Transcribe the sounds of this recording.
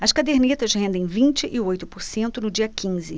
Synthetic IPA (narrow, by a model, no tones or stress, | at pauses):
ɐskad̪eɾnit̪ɐʃhẽnd̪ẽj̃vĩnt͡ʃɪʔɪojt̪ʊpʊɾsẽnt̪ʊnʊd͡ʒiɐkĩzɪ